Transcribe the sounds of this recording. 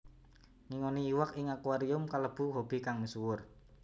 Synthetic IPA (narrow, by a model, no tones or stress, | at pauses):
ŋiŋoniːwakɪŋakuaɾiʊmkaləb̥ṳɦob̥i̤kaŋmisuwʊr